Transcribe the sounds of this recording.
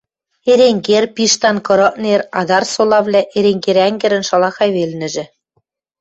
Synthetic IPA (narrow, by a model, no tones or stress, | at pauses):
eɾeŋɡerpiʃt̪ɑnkɤ̆ɾɤ̆ʔnerɑd̪ɑrsolˠɑvlʲæʔeɾeŋɡeɾæŋɡɘ̆ɾɘ̆nʃɑlˠɑxɑjβelʲnɘ̆ʒɘ̆